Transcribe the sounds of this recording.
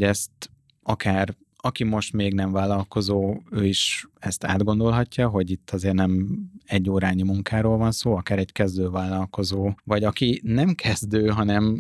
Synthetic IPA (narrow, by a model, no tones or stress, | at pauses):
ɛst̪ | ɒkaːr | ɒkimo̞ʃt̪meːɡnɛɱvaːlːɒlko̞zoːøːiʃɛst̪a̰ːd̪ɡo̞nd̪o̞lɦɒcːɒɦo̞ɟit̪ːɒzeːrnɛmɛɟːoːɾaːɲimuŋkaːɾoːlvɒnsoːɒkaːɾɛckɛzd̪øːvaːlːɒlko̞zoːvɒɟɒkinɛmkʰɛzd̪øːɦɒnɛm